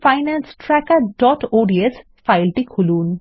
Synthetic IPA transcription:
fajnansʈɾɛkaɾɖɔʈoɖies | fajlʈikʰulun

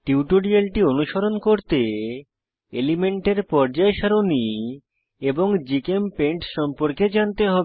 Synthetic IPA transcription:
ʈiuʈoɽialʈionuʃoɾonkoɾt̪e | elimeɳʈeɾpɔɾd͡ʑaeʃaɾoni | eboŋd͡ʑikempeɳʈʃɔmpoɾked͡ʑant̪eɦɔbe

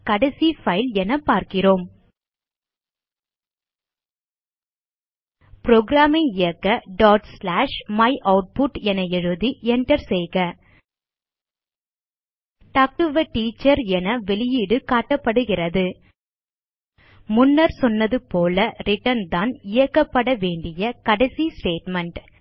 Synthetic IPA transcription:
kɐɽɐsifɐɪlɛnɐpaːɾkɪroːm | pɾoːɡɾaːmɐɪjɐkːɐɖaːʈslaːʂmɐɪʔɐʊʈ̚pʊʈɛnɐɛɻɯðiɛɳʈɐɾsɛjɣɐ | ʈɐk̚ʈɯʋɐʈiːt͡ʃːɐɾɛnɐʋɛlɪjɪɽɯkaːʈːɐpːɐɽɯɣɪrɐðɯ | mʊnːɐɾsɔnːɐðɯpoːlɐɾɪʈːɐnd̪aːnɪjɐkːɐpːɐɽɐʋeːɳɖɪjɐkɐɽɐɪsisʈeːʈmɐɳʈ

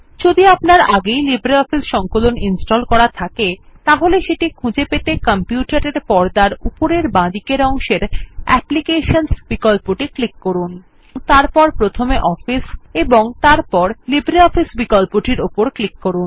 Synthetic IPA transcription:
d͡ʑod̪iapnaɾaɡejlibɾiɔfisʃɔŋkoloninsʈolkɔɾat̪ʰaket̪aɦoleʃeʈikʰũd͡ʑepet̪ekampjuʈaɾeɾpɔɾd̪aɾupoɾeɾbãd̪ikeɾɔŋʃeɾɛ̰plikeʃonsb̥ikɔlpoʈiklikːoɾun | ŋt̪aɾpɔɾpɾot̪ʰomeʔɔfiseboŋt̪aɾpɔɾlibɾiɔfisbikɔlpoʈiɾopoɾklikːoɾun

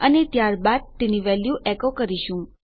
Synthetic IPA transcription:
ənet̪jaɾbad̪̚t̪eniʋɛljuʔɛkokəɾiʃũ

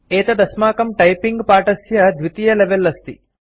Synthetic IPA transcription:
eːt̪ɐd̪ɐsmaːkɐmʈɐjpiŋɡpaːʈɐsjɐd̪ʱʋit̪ijɐleʋelːɐst̪ḭ

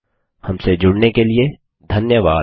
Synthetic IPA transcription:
hɐmsed͡ʒʊɽnekelie | d̪ʱɐnjəʋaː

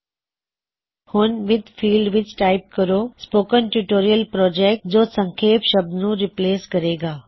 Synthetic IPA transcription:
huːnʋɪd̪fiːlɖʋɪt͡ʃʈaɪp̚kəɾospoːkənʈjuʈoːɾijəlpɾɔːd͡ʑek̚ʈd͡ʑoːsə̃ŋkʰeːpʃəb̚d̪nũːɾipleːskəɾeɡaː

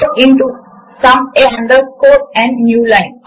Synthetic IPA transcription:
ɪ̃ɳʈu | sʌ̃meɦɛ̃ɳɖəlskoːɾɛ̃ɳɖnjuːlãɪ̃n

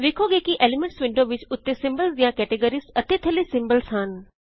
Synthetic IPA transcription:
ʋɪkʰoɡeːkiʔeːlimẽɳʈsʋɪ̃ɳɖoʋɪt͡ʃʊt̪ːesɪ̃mbəlsd̪ijãkɛːʈeɡəɾisɐt̪et̪ʰɐlisɪ̃mbəlsɦən

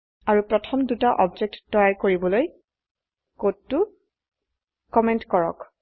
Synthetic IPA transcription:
aɹupɹɔtʰɔmdutaʔɔbd͡ʒek̚tːɔjajkoɹibɔloj | kotːu | kɔmɛntkɔɹɔ̰k

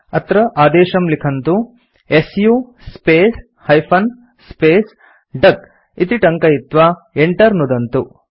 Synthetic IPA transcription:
ɐt̪ɾɐʔaːd̪eːʃɐmlikʰɐnt̪u | esju | speːs | hɐjpʰɐn | speːs | ɖɐk | it̪iʈɐŋkɐit̪ʋaː | eɳʈɐɾnud̪ɐnt̪u

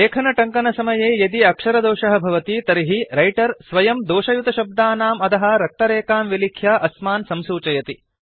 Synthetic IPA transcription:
leːkʰɐnɐʈɐŋkɐnɐsɐmɐjeːjɐd̪iɐkʂɐɾɐd̪oːʃɐɦɐ̆bʱɐʋɐt̪it̪ɐɾiɦiɾɐjʈɐɾsʋɐjɐmd̪oːʃɐjut̪ɐʃɐb̚d̪aːnaːmɐt̪ɐɦɐ̆ɾɐk̚t̪ɐɾeːkaːmʋilikʰjaːʔɐsmaːnsɐmsuːt͡ʃɐjɐt̪i

